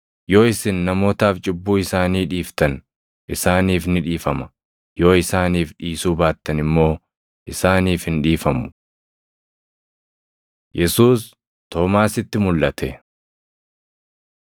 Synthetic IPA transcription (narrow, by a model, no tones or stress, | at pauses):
jo̞ːɪsɪnːɐmo̞ːt̪aːft͡ʃʼɪbːuːɪsaːniːᶑiːft̪ɐn | ʔɪsaːniːfnɪᶑiːfɐmɐ̥ | jo̞ːɪsaːniːfᶑiːsuːbaːt̪ːɐnɪmːo̞ː | ʔɪsaːniːfhɪnᶑiːfɐmʊ̥ | jɛsuːs | t̪o̞ːmaːsɪt̪ːɪmʊlʔɐt̪ʰɛ